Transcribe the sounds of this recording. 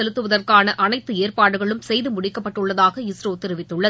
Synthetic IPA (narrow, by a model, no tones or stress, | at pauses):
ɛlɯt̪ːɯʋɐðɐrkaːnɐʔɐnɐɪt̪ːɯeːrpaːɽɯɣɐɭɯmsɛjðɯmʊɽɪkːɐpːɐʈːɯɭːɐðaːɣɐɪsɾoːt̪ːɪɾɪʋɪt̪ːɯɭːɐð